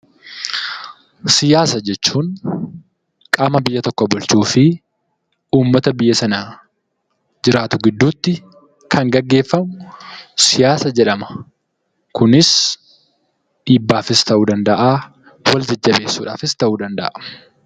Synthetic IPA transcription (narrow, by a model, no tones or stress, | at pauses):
sɪjaːsɐd͡ʒɛt͡ʃːuːŋ | kʼaːmɐbɪjːɐt̪ɔkːɔbʊlt͡ʃuːfɪ | uːmːɐt̪ɐbɪjːɐsɐnaː | d͡ʒɪɾaːt̪ʊɡɪd̪ːuːt̪ːɪ | kʰɐŋɡɐɡːe̞ːfːɐmʊsɪjaːsɐd͡ʒɛᶑɐmɐ̥ | kʊnɪs | ᶑiːbːaːfɪst̪ɐʔuːd̪ɐnd̪ɐʔaː | wɐld͡ʒɐd͡ʒːɐbe̞ːsːuːᶑa̰ːfɪst̪ɐʔuːd̪ɐnd̪ɐ̰ʔɐ